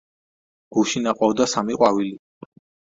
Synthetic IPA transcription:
ɡ̥uʃinaqʼɔd̪asamiqʼwavili

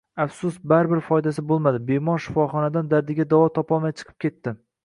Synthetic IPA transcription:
afsʊsbaɾbɪɾfɒjd̪asɪbolˠmad̪ɪbemɒɾʃɪ̥fɒχɒnad̪and̪aɾd̪ɪɡʲad̪avɒt̪ʰɒpɒlˠmajt͡ʃʰɨ̥qʰɨ̥p̚kʲe̞t̪ːɪ

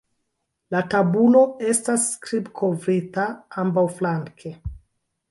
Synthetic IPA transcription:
latabulo̞e̞staskɾibkʰovɾitaambawflaŋkʰe

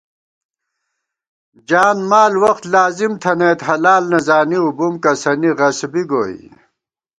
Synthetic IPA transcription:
d͡ʑaːnmaːlwɐxt̪laːzimt̪ʰɐneːt̪ɦɐlaːlnɐzaːniubumkɐsɐniʁɐsbiɡoːḭ

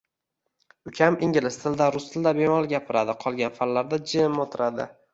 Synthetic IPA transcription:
ʊkʲʰamɪŋɡʲɪlɪst̪ʰɪld̪aɾʊst̪ʰɪld̪abe̞mɒlˠɡʲapʰɪɾad̪ɪqʰɒlˠɡʲanfalːaɾd̪ad͡ʒɪmot̪ʰɪɾad̪ɪ̰

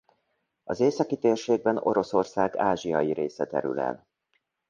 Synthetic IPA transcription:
ɒzeːsɒkit̪eːrʃeːɡ̚bɛno̞ɾo̞so̞rsaːɡaːʒijɒjiɾeːsɛt̪ɛ̰ɾy̰lɛ̰l

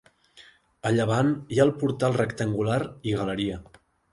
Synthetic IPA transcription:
əʎəβ̞anjaəlˠpuɾt̪alˠrəkt̪əŋɡulaɾiɣələɾiə

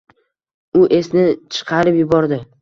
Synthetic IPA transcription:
ʊʔe̞snɪt͡ʃʰɨ̥qʰɑɾɪpjʊbɒɾd̪ɪ

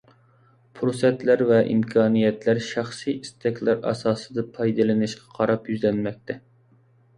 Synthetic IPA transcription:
pʰuɾsɛt̪læɾvɛʔḭmkʰɑːnijɛt̪læɾʃæχsijist̪ʰɛkʲlæɾɑ̰sɑːsɨ̥d̪ɑpʰɑjd̪ɨlɨnɨʃqʰɑ̥qʰɑɾɑpjyzlɛnmɛk̚ʲt̪ʰɛ

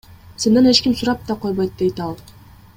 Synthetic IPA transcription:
se̞nd̪ene̞t͡ʃkimsuɾɑp̚t̪ɑqo̞jβojt̪̚d̪e̞jt̪ɑlˠ

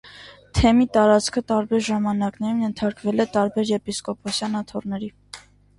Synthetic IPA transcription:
t̪ʰɛmit̪ɑɾɑt͡skʰət̪ɑɾbɛɾʒɑmɑnɑknɛɾumjɛnt̪ʰɑɾkvɛlɛt̪ɑɾbɛɾjɛpiskɔpʰɔsjɑnɑt̪ʰɔrnɛɾi

